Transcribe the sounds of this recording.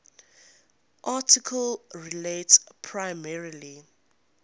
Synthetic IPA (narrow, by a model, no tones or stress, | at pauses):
ʔatʰikʰəlɹiletpʰɹaɪmɛɹili